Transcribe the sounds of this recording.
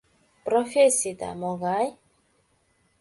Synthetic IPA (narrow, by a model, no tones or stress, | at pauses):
pɾɔfesid̪a̰mɔɡaj